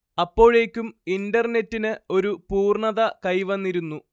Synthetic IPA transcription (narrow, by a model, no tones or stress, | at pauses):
ɐpːo̞ːɻe̞ːkʲːumindɐrne̞tːinɨo̞ɾupuːrɳɐðɐkɐjʋɐnːiɾunːu